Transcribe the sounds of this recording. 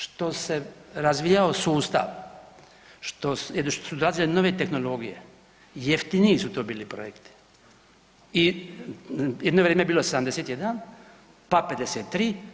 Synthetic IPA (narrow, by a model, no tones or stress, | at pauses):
ʃt̪o̞se̞ɾazʋijaosuːst̪a̰ʋ | ʃt̪osjeʃt̪osud̪oɾaːzileno̞ʋe̞t̪e̞xno̞lo̞ɡije̞̰ | jeft̪iniisut̪oːbiːlipɾo̰jekt̪i̥ | i | jed̪noʋɾeːmebiːlo̞sed̪amd̪eset̪jed̪an | pape̞d̪eset̪ːɾiː